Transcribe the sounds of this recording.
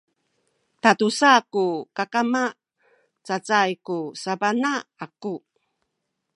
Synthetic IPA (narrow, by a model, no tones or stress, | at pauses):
tatusakukakama | t͡sat͡sajkusabanaaku